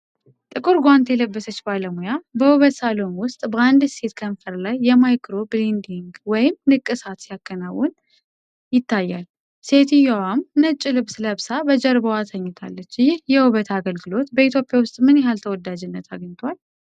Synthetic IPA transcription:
t̪ʼɨkʼɨɾɡʷwant̪ʰɛləbːəsət͡ʃːbaləmujabəhuβət̪salo̞mwʊst̪ʼbəand̪se̞t̪kʰənfəɾlajːɛmajkʰɾo̞blind̪iŋɡwɔjɪmnɨkʼːɨsat̪sijakːənawːɔn | jɪt̪ʰːajːal | se̞t̪ijawamnɨt͡ʃʼːɨlɨβsləβsabəd͡ʒəɾbəwat̪ʰəɲːɪt̪ʰa̰lːət͡ʃːjɪhjɛhuβət̪ʰaɡəlɡɨlo̞t̪bəit̪ʰjo̞pʼjawʊst̪ʼmɨnjɛɦalt̪ʰəwɔd̪ad͡ʒɪnːət̪ʰaɡɲt̪ʰal

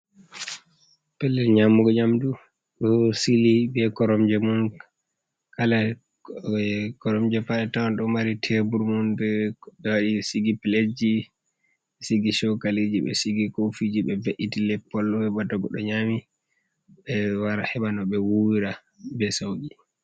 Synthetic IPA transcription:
pɛlːɛlɲamːuɡɔɲamdu | ɗɔsilibɛkɔɾɔmd͡ʒɛmun | kala | kɔɾɔmd͡ʒɛpalɛtawanɗɔmaɾitʰɛbuɾmunbɛbɛwaɗisiɡipiled͡ʒi | ɓɛsiɡiʃɔkalid͡ʒiɓɛ̰siɡikofid͡ʒiɓɛbeʔitilɛpːɔlɔɛbadaɡɔ̰ɗɔ̰ɲami | ɓɛwaɾahɛɓanɔɓɛwuwiɾa | bɛsowɡi

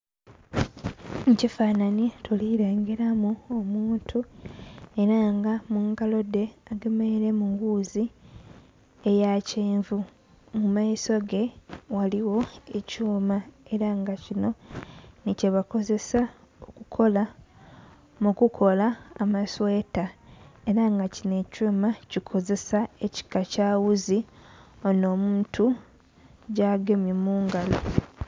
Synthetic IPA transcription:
cifaːnanetʰoliɾaːŋɡeɾamuomuːntʰu | e̞ɾaŋɡamuŋkalo̞de̞aɡe̞me̞ɾe̞muɡuːzi | ejaceːɱvu | mumaiso̞ɡe̞waliwo̞e̞cuːmae̞ɾaŋɡacino̞nice̞βako̞ze̞sa | okukʰo̞la | mukukʰo̞laːmasweːtaeɾaŋɡacine̞cumacikʰo̞ze̞saeci̥kacaːwuziono̞ːmuːntu | ɟaɡemjemuːŋɡalo

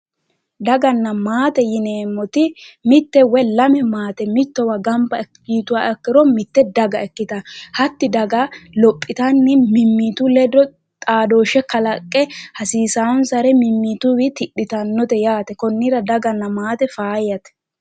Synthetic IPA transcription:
d̪ɐɡɐnːɐmaːt̪ɛjɪneːmːɔt̪ɪmɪt̪ːɛwɛlɐmɛmaːt̪ɛmɪt̪ːɔwɐɡɐmbɐɛkːiːt̪ʊwaːɛkːɪɾɔmɪt̪ːɛd̪ɐɡɐɛkːɪt̪ɐhɐt̪ːɪd̪ɐɡɐlɔpʼːɪt̪ɐnːɪmɪmːiːt̪ʊlɛd̪ɔ | t̪ʼaːd̪oːʃɛkɐlɐkʼːɛhɐsiːsawɔnsɐɾɛmɪmːiːt̪ʊwɪt̪ɪɗːɪt̪ɐnːɔt̪ɛjaːt̪ɛkɔnːɪɾɐd̪ɐɡɐnːɐmaːt̪ɛfaːjːɐt̪ɛ̥

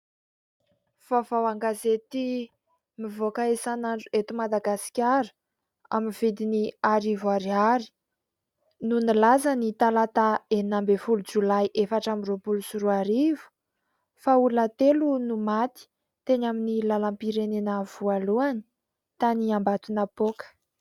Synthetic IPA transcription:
v̥avawaŋɡazet̪i | mivokaesanaɳɖ͡ʐuet̪umad̪aɡasi̥kʲaɾu̥ | a̰minvid̪iniaɾivuaɾiaɾi̥ | nunilazanit̪alat̪aeninambefulud͡zulajʔefaʈ͡ʂamiropulusuɾuaɾivu̥ | faulat̪elunumat̪i̥ | t̪eɲaminilalampiɾenenəvualuani̥ | t̪aniambat̪unapokə̥

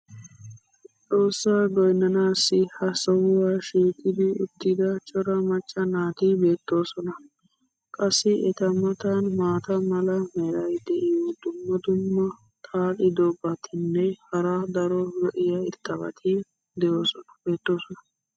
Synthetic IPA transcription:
t͡sʼo̞ːsːaːɡɔjnːɐnaːsːɪhɐsɔwʊwaːʃiːkʼːɪd̪ɪʊt̪ːɪd̪ɐt͡ʃʼɔɾɐmɐt͡ʃʼːɐnaːt̪ɪbe̞ːt̪ːo̞ːsɔnɐ | kʼɐsːɪɛt̪ɐmɐt̪anmaːt̪ɐmɐlɐmɛɾɐjd̪ɛʔɪjɔd̪ʊmːɐd̪ʊmːɐ | t̪ʰʼaːᶑɪd̪ɔbːɐt̪ʰɪnːɛhɐɾaːd̪ɐɾɔɾɔʔɪjɐɪɾt̪ːɐbɐ̰t̪ʰɪ | d̪ɛjoːsɔnɐ̥be̞ːt̪ːo̞ːsɔnɐ

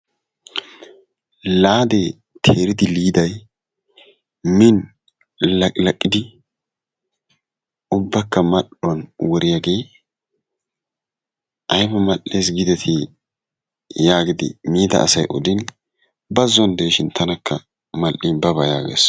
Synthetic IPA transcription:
laːd̪eː | t̪ʰeːɾɪd̪ɪliːd̪ɐj | mɪn | lɐkʼlɐkʼːɪd̪ɪ | ʊbːɐkːɐmɐɗʊɐnwɔɾɪjaːɡe̞ː | ʔɐjmɐmɐʔːeːs̬ɡɪd̪ɛt̪ʰi | jaːɡɪd̪ɪ̰miːd̪ɐ̰ʔːsɐjʔɔd̪ɪn | bɐzːɔnd̪eːʃɪnt̪ʰɐnɐkʰːɐ | mɐlʔɪnbɐbɐja̰ːɡḛːs

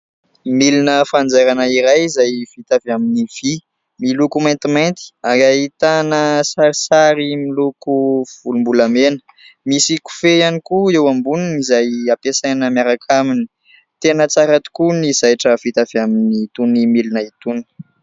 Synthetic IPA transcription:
milinəfand͡zeɾanəiɾajizajv̥it̪avaminiv̥i | milukumajnt̪imajnt̪i̥aŋait̪anəsaɾisaɾimilukuv̥ulumbulamenə̥ | misiku̥fejanikuewambuninizajapesajnəmjaɾakʰamini̥ | t̪enət͡saɾat̪u̥kunizajʈ͡ʂəv̥it̪avaminit̪unimilinait̪uni̥

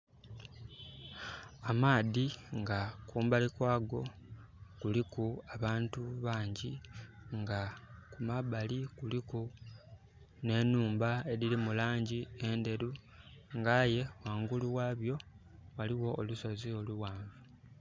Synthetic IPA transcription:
amaːðiŋɡakuːmbalikwaːɡo̞ | kulikuaβaːntuβaːɲɟiŋɡakumabalikuliku | ne̞nuːmbae̞ɾiɾimulaːɲɟie̞nde̞ɾu | ŋɡaje̞waːŋɡuluwaːβjo̞waliwo̞ːluso̞zio̞luwaːɱvu

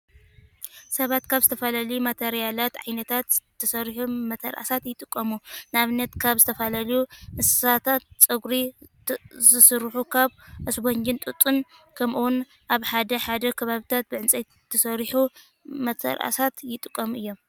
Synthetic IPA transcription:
sɐβat̪kʰaβzɨt̪ʰɐfɐlalɐjumat̪ʰeɾijalat̪ʕa̰jnɐt̪ʰat̪t̪ʰːɐsɐɾħumɐt̪ʰɐ̰ɾʔa̰sat̪jɪt̪ʼɨkʼːɐmunɨaβɨnːɐt̪kʰaβzɨt̪ʰɐfɐlalɐjumɨsɐ̥sat̪ʰat̪t͡sʼɨɡɾi | zɨsɨɾħukʰaβʔɨsboɲd͡ʒɨnt̪ʼut̪ʼɨnkʰɐmʔuwun | ʔaβħad̪ɐħad̪ɐkʰɐβaβɨt̪ʰat̪̚bɨʕɨnt͡sʼej | t̪ʰːɐsɐɾħu | mɐt̪ʰɐ̰ɾʔa̰sat̪jɪt̪ʼɨkʼːɐmuʔɨjːo̞m

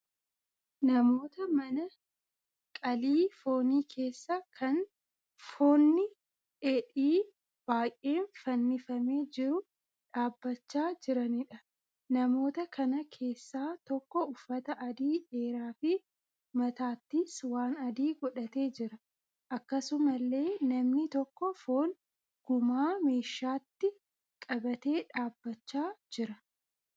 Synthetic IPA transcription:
nɐmo̞ːt̪ɐmɐnɐ | kʼɐliːfo̞ːniːkʰe̞ːsːakʰɐn | fo̞ːnːɪ | ʔɛᶑiː | b̥aːjʔe̞ːnfɐnːɪfɐmeːd͡ʒɪɾʊ | ᶑaːbːɐt͡ʃːaːd͡ʒɪɾɐnɪᶑɐ | nɐmo̞ːt̪ɐkʰɐnɐkʰe̞ːsːaːt̪ɔkːɔʊfːɐt̪ɐʔɐd̪iːᶑe̞ːɾaːfɪ | mɐt̪aːt̪ːiswaːnɐd̪iːɡɔᶑɐt̪e̞ːd͡ʒɪɾɐ | ʔɐkːɐsʊmɐlːe̞ːnɐmnɪt̪ɔkːɔfo̞ːn | ɡ̥ʊmaːme̞ːʃːaːt̪ːɪ | kʼɐbɐt̪e̞ːᶑaːbːɐt͡ʃːaːd͡ʒɪɾɐ

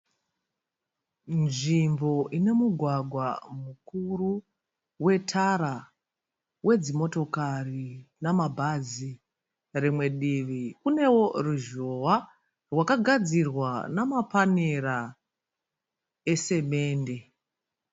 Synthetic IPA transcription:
nʐimbo̞ʔine̞muɡʱwaɡʱwamukuru | we̞tʰaɾa | we̞d͡zimo̞to̞karinamabʱazi | rimwe̞ɗiʋikune̞wo̞ruʒo̞wa | rwakaɡʱad͡zirwanamapaneɾa | e̞se̞me̞ːnde̞

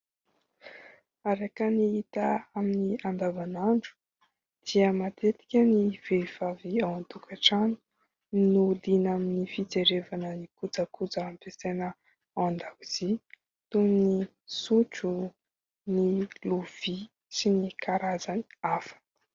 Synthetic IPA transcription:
aɾekəniit̪aaminiand̪avanaɳɖ͡ʐu̥ | d̪̥iəmat̪et̪i̥kʲəniv̥ev̥aviawant̪ukʰaʈ͡ʂan̥u | nud̪inaminifit͡seɾevanənikud͡zəkud͡zaampesenə | aand̪awiz̥i | t̪uŋni | suʈ͡ʂu | niluv̥i | sinikʰaɾazaniafḁnə̥

